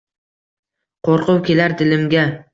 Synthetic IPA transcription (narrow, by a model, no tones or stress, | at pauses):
qʰoɾqʊwkʲe̞laɾd̪ɪlɪmɡʲa